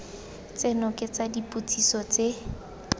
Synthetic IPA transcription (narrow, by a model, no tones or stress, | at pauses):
t͡senɔkʼɪt͡sadipʼut͡sʰʼisɔt͡se